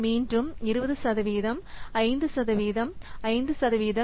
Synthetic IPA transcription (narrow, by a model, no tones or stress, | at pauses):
miːndrɯmɪɾɯbɐðɯsɐðɐʋiːðɐmɐɪnd̪ɯsɐðɐʋiːðɐmɐɪnd̪ɯsɐðɐʋiːðɐ